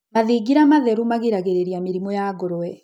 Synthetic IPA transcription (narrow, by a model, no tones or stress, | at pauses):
maðiɡiɾamaðɛɾumaɣiɾaɣeɾeɾiamiɾimɔjaɡoɾoɛ